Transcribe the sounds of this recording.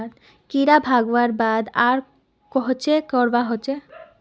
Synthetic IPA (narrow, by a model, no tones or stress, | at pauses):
d̪̚ | kiɾabʱaɡowaɾbad̪aɾ | kɔɦot͡ɕʰekɔɾbaɦot͡ɕʰe